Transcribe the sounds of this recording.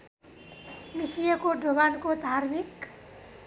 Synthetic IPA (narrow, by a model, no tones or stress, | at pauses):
misijʌkoɖʱobankod̪ʱaɾmik